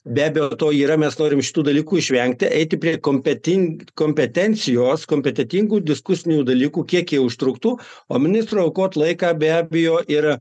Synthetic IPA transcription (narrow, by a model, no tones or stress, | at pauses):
bʲæːbʲejoːt̪oːiːɾɐmʲɛsnoːɾʲɪmʃʲɪ̥t̪uːd̪ɐlʲiːkuːɪʃʲʋʲɛŋk̚t̪ʲɪʔɛɪt̪ʲɪpʲɾʲiɛkomʲpʲɛt̪ʲɪŋkoːmʲpʲɛt̪ʲɛnʲt̪sʲɪjoːskoːmʲpʲɛt̪ʲɛt̪ʲiŋɡuːd̪ʲɪskʊsʲɪnʲuːd̪ɐlʲiːkuːkʲiɛkjiɛʊʃt̪ɾʊkt̪uːoːmʲɪnʲɪst̪ɾuɐʊkoːt̪lˠɐɪkɑːbʲæːbʲɪjoːʔɪɾ